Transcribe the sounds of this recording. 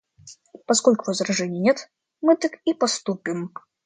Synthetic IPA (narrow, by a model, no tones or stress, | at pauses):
pɐskolʲkʊvɐzɾɐʐɛnʲɪjənʲeɛt̪ | mɨt̪ɨkipɐst̪upʲɪm